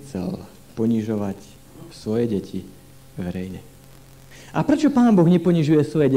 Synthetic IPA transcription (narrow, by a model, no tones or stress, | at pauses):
t͡sɛ̰l | pɔɲiʒɔʋac | sʋɔjɛɟɛcʰi | ʋɛɾɛjɲɛ | ʔapɾɛt͡ʃɔpaːnbɔɣɲɛpɔɲiʒujɛsʋɔjɛɟɛ